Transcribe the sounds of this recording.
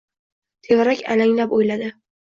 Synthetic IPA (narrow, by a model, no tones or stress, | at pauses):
t̪ʰevɾakʲa̰laŋlapojlad̪ɪ